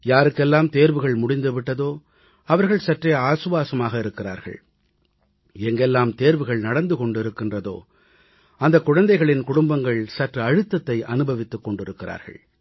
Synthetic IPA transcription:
jaːɾɯkːɛlːaːmt̪eːɾʋɯɣɐɭmʊɽɪnd̪ɯʋɪʈːɐðoː | ɐʋɐɾɣɐɭsɐʈreaːsɯʋaːsɐmaːɣɐɪɾɯkːɪɾa̰ːɾɣɐ̰ɭ | ɛŋɡɛlːaːmt̪eːɾʋɯɣɐɭnɐɽɐnd̪ɯkɔɳɖɪɾɯkːɪndrɐðo̰ː | ɐnd̪ɐkːʊɻɐnd̪ɐɪɣɐɭɪnkʊɽʊmbɐŋɡɐɭsɐʈrɐɐɻɯt̪ːɐt̪ːɐɪʔɐnɯbɐʋɪt̪ːɯkːɔɳɖɪɾɯkːɪra̰ːɾɣɐ̰ɭ

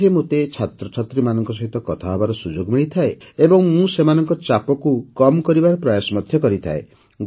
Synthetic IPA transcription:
emot̪et͡ʃʰat̪ɾɔt͡ʃʰat̪ɾimanɔŋkɔsɔɦit̪ɔkɔt̪ʰaɦɔbaɾɔsud͡ʒoɡmiɭit̪ʰaeebɔŋmũsemanɔŋkɔt͡ʃapɔkukɔmkɔɾibaɾɔpɾɔjasɔmɔd̪ʱjɔkɔɾit̪ʰa̰e | ɡ

